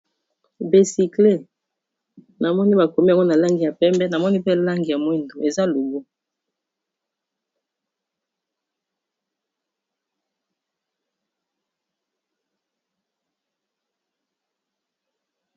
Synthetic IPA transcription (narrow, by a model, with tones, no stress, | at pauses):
be˨si˨kle˦˨ | na˨mɔ˦ni˦ba˨ko˨mi˦a˨ŋɡo˦na˨la˦ŋɡi˨ja˨pɛ˦mbɛ˦na˨mɔ˦ni˦pɛ˦la˦ŋɡi˨ja˨mwɛ˦ndo˨e˨za˦lo˨ɡo˦